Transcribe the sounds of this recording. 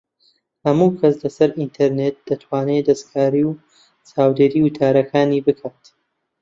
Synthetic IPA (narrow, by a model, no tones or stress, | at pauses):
hɐmuːkʰɐslɐsɐɾʔint̪ʰeɾnet̪̚d̪̥ɐt̪ʰwaːned̪ɐskʰaːɾiːw | t͡saːwd̪eːɾiːwɨt̪ʰaːɾɐkʰaːniːbɨkʰaːt̪